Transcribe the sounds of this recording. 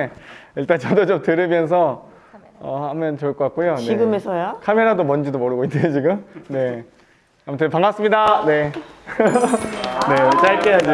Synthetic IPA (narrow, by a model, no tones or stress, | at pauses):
iɭt͈ant͡ɕʌdot͡ɕomtɯɾɯmjʌns̬ʰʌ | ʌhamjʌnt͡ɕoɭk͈ʌkak͈ujoneiɡɯmesʰʌjokʰame̞ɾadomʌnd͡ʑidomʌɾɯɡoinːeot͡ɕiɡɯmne̞ | amʰʌtʰɯpaŋas͈ɯmɲidane̞ | ne̞t͡ɕ͈aɭk͈eɦad͡ʑi